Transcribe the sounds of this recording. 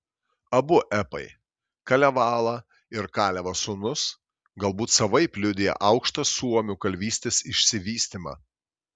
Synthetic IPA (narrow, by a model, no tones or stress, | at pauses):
ɐbʊʔɛpɐɪ | kɐlʲɛʋɑːlˠɑː | ɪɾkɑːlʲɛʋɐsʊnʊs | ɡɐlˠbuːt̪sɐʋɐɪpʲlʲʊd̪ʲeːjɛ̰ʔɐʊkʃt̪ɐsuɔmʲuːkɐlʲʋʲiːsʲt̪ʲeːsɪʃʲsʲɪʋʲiːsʲt̪ʲimɑ̰